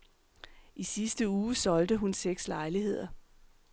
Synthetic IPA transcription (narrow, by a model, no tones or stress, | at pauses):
ʔisisd̥əuːsɒ̽ld̥əɦunseɡ̥slɑ̈ɪliɦe̝ð̞̰ˠɐ